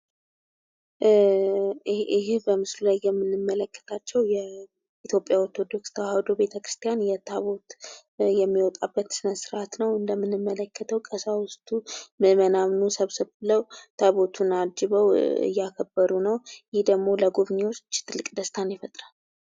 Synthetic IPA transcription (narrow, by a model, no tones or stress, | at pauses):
ɪɦbəmɨslulajːɛmːɨnɨmːələkːə̥t̪ʰat͡ʃːɛwjɛ | it̪ʰjo̞pʼːjaɔɾt̪ʰo̞d̪o̞kst̪ʰəwad̪obe̞t̪ʰəkɾɨst̪ʰijanjɛt̪ʰaβo̞t̪ | jɛmːiwɔt̪ʼabːət̪sɨnəsɨɾʔat̪nəwɨnd̪əmːɨnːɨmːələkʰːət̪ʰəwkʼəsawʊst̪ʰʼumɨmənamnusəβsɨβɨləwt̪ʰaβo̞t̪ʰunad͡ʒɪβəwɨ̰jːakʰəbːəɾunəwjɪhd̪əɡmo̞ləɡuβɲewot͡ʃːt̪ʰɨlːɨkʼd̪əst̪ʰanjɛfət̪ʼɾal